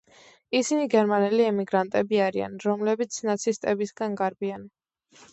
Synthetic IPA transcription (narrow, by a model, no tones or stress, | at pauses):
isiniɡɛɾmanɛliɛmiɡɾant̪ʼɛbiaɾia̰nɾɔmlɛbit̪sʰnat̪sʰist̪ʼɛbisɡanɡaɾbian